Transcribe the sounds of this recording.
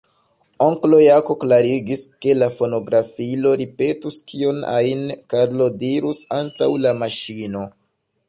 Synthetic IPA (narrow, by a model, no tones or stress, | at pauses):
oŋklo̞jako̞klaɾiɡiske̞lafo̞no̞ɡɾafilo̞ɾipe̞tuskʰio̞na̰inkaɾlo̞diɾusantawlamaʃino̞